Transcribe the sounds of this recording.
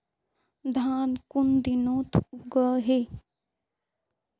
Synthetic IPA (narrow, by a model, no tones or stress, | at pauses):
d̪ʱaːnkund̪inoːt̪ʰuɡəɦe